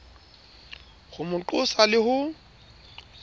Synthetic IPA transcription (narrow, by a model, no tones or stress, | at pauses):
χʊmʊǃʊsalɪhʊ